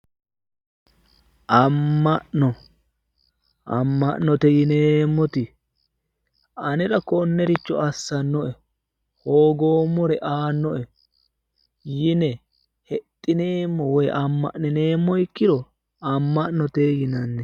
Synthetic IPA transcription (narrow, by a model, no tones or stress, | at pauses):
ʔɐmːɐʔnɔ | ʔɐ̰mːɐʔnɔt̪ɛjɪneːmːɔt̪ɪ | ɐnɛɾɐkɔnːɛɾɪt͡ʃːɔ̰ɐsːɐnːɔʔɛ | hoːɡoːmːɔɾɛʔaːnːɔʔɛ | jɪnɛ | hɛt̪ʼːɪneːmːɔwɔjʔɐmːɐ̰ʔnɛne̞ːmːɔɪkːɪd̪ɔ | ɐmːɐʔnɔt̪ejɪnɐnːɛ